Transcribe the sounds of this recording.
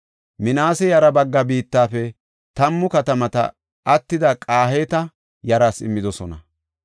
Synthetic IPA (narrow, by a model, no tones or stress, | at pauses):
mɪnaːsɛjɐɾɐbɐɡːɐbiːt̪ːaːfɛ | t̪ɐmːʊkɐt̪ɐmɐt̪ɐ̰ | ʔɐt̪ːɪd̪ɐkʼaːheːt̪ɐ | jɐɾaːsɪ̰mːɪd̪ɔsɔnɐ